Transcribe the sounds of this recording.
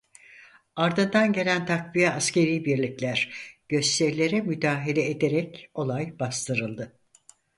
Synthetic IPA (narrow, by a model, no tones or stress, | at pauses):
aɾd̪ɯnd̪anɟe̞lʲænt̪ʰakvijɛascʰe̞ɾiːbiɾlʲiclʲæɾ̥ɟ̥ø̞st̪ʰɛɾlʲe̞ɾɛmyd̪aːɦelʲɛed̪eɾɛco̞lˠajbast̪ʰɯɾɯlˠd̪ɯ